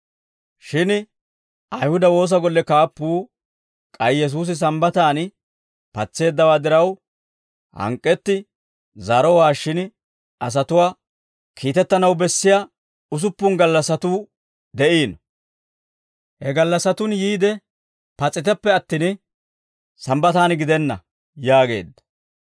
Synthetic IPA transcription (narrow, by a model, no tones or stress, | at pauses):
ʃɪn | ʔɐjhʊd̪ɐwo̞ːs̬ɐɡɔlːɛkaːpːuː | kʼɐjjɛs̬uːs̬ɪs̬ɐmbɐt̪aːn | pɐt͡sːe̞ːd̪ːɐwaːd̪ɪɾɐw | hɐ̰ŋkʼːɛt̪ːɪ | zɐɾɔwaːʃːɪn | ʔɐs̬ɐt̪ʊwaː | kʰiːt̪ɛt̪ːɐnɐwbɛsːɪja | ʊs̬ʊpːʊnɡɐlːɐsɐt̪uː | d̪ɛʔiːn | hɛɡɐlːɐsɐt̪ʊnjiːd̪ɛ | pɐt͡sʼːɪt̪ɛpːɛɐt̪ːin | sɐmbɐt̪aːnɡɪd̪ɛnːɐ̰ | jaːɡe̞ːd̪ːɐ̥